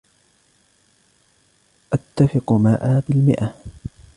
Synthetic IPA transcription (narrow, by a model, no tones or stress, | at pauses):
ʔat̪ːafɪqmaːʔaːbɪlmɪ̰ʔa